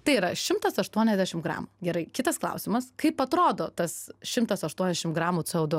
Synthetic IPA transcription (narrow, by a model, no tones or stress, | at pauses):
t̪ɐɪiːɾɐʃʲɪmt̪ɐsɐʃt̪uɔnʲɛzʲd̪ʲæːʃʲɪmɡɾɑ̰ːmuɡʲɛɾɐɪkʲɪt̪ɐsklˠɐ̰ʊsʲɪmɐskɐɪpɐt̪ɾoːd̪oːt̪ɐsʃʲɪmt̪ɐsɐʃt̪uɔnʲɛzʲɛʃʲɪmɡɾɑːmuːt͡s̪ɛɐʊd̪ʊ